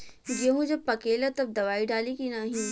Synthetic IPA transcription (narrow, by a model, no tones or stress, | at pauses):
jɐɦũd͡ʒɐpɐkeːlɐt̪ɐb̚d̪ɐʋaːiɖaːlikinaɦĩ